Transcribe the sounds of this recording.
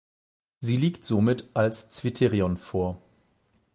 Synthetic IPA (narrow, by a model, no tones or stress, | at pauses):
ziːliːktz̥omɪtʰʔalst͡sv̥itʰeʁiɔnfoːɐ